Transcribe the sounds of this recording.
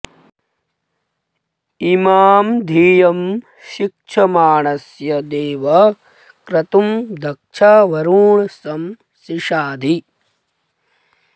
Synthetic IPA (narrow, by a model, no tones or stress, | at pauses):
imaːmd̪ʱiːjɐm | ʃik̚ʂʰɐmaːɳɐsjɐd̪eːʋɐ | kɾɐt̪umd̪ʱɐk̚ʂʰaʋɐɾuːɳsɐm | siʃaːd̪ʱi